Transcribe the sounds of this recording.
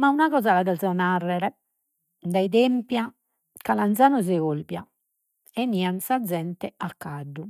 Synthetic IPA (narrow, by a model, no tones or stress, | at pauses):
maunaɣɔːzalad̪ɛzɔnarːɛɾɛ | d̪aid̪empja | kalant̪zaːnɔzɛolbja̰ | ɛniːansad̪zːɛnt̪ɛakːaɖːu